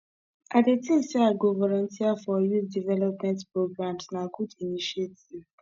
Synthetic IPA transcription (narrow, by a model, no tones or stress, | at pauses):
ʔadetĩmsɛaɡovɔlɔ̃ntiafɔjuθdivɛlɔpmɛ̃ntpɹoɡɹãmdnakudiniʃietiv